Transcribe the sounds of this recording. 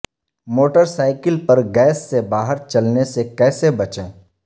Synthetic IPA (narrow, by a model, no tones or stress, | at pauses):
moːʈəɾsaːɪkɪlpɐɾɡɛːsːebaːɦəɾt͡ʃɐlnesekɛːsebɐt͡ʃẽː